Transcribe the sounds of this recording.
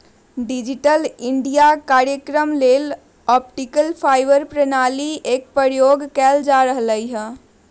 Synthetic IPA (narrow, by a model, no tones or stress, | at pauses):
ɖid͡ʒiʈəliɳɖijakaɾjəkɾəmlel | ɔpʈikəlpʰaɪʋəɾpɾənaliek̚pəɾjoɡkɛld͡ʒaɾəɦləjɦə̃